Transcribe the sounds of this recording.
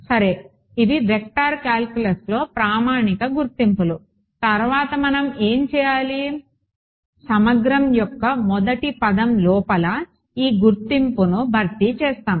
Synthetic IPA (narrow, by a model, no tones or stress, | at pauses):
sɐɾe̞ː | id̪iʋek̚ʈaːɾkjaːlkjulɐslo̞ːpɾaːmaːnikɐɡuɾt̪impulu | t̪ɐɾʋaːt̪ɐmɐnɐme̞ːmt͡ʃɛːjaːli | sɐmɐɡɾɐmjɔkːɐmɔd̪ɐʈipɐd̪ɐmlɔːpɐlɐ | iːɡuɾt̪impunubʱɐɾt̪it͡ʃɛːst̪aːm